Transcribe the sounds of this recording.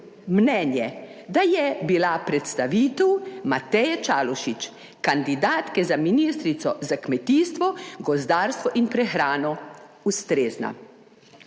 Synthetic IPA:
mnɛːnjɛd̪ajɛbilapɾɛt̪st̪aʋiːt̪ɛwmat̪ɛjɛt͡ʃaːlɔʃit͡ʃ | kand̪id̪aːt̪kɛzaminiːst̪ɾit̪sɔzakmɛt̪iːst̪ʋɔɡɔzd̪aːɾst̪ʋɔʔinpɾɛxɾaːnɔ | ust̪ɾeːzna̰

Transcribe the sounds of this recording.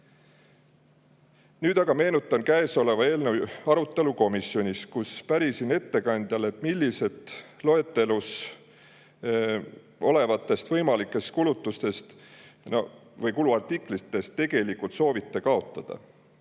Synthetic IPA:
nyːd̪ɑɡɑme̞ːnut̪ːˑɑnkæeso̞le̞vɑe̞ːlnewɑɾut̪ːˑe̞luko̞misjo̞nʲiskuspæɾisine̞t̪ːe̞kɑnʲd̪̥jɑle̞t̪ːˑmilʲːise̞t̪ˑlo̞e̞t̪ːˑe̞lus | o̞le̞vɑt̪ːˑe̞st̪vɤ̞jmɑlikːˑe̞st̪̚kulut̪ːˑust̪e̞st̪novɤjkuluɑrt̪ikˑlit̪ːˑe̞st̪ːe̞ɡ̥e̞likult̪so̞ːvit̪ːe̞kɑo̞t̪ːˑɑd̪̥ɑ̰

